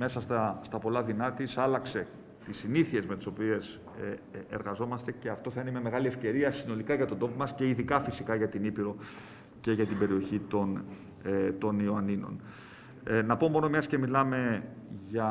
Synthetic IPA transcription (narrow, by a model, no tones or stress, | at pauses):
me̞sɐst̪ɐst̪ɐpo̞lɐðinɐt̪isɐlɐkse̞ | t̪isiniθie̞zmet̪i̥so̞pie̞s | eɾɣɐzo̞mɐst̪e̞ce̞ɐft̪o̞θɐineimeme̞ɣɐlie̞fce̞ɾiɐsino̞likɐʝɐt̪od̪o̞pomɐsce̞iðikɐfisikɐʝɐt̪inipiɾo̞ | ce̞ʝɐt̪ibe̞ɾio̞çit̪o̞n | t̪o̞nioɐnino̞̰n | nɐpo̞mo̞nomesce̞milɐme̞ʝɐ